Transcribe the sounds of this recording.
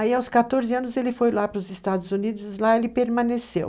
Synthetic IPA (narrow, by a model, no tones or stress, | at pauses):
aiawskat̪oɾzɪɐ̃nʊzelɪfojlapɾʊzɪst̪ad̪ʊzunid̪ʊzlaelɪpeɾmɐ̃nesḛw